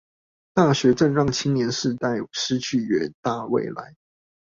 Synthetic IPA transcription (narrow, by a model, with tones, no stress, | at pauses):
t̪a˥˩ɕɥɛ˨˥ʈ͡ʂə˥˧ŋɻɑ˥˩ŋt͡ɕʰi˥njɛ˧˥nʂɻ̩˥˧t̪a˥˩ɪʂɻ̩˥t͡ɕʰy˥˩ɥɛ˨˧˥nt̪a˥˧wḛ˥˨ɪla̰˧˦ɪ